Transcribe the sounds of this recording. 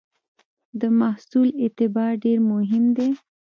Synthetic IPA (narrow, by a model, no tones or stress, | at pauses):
d̪əmahsulɪt̪ɪbɑɖeɾmʊɦɪmd̪e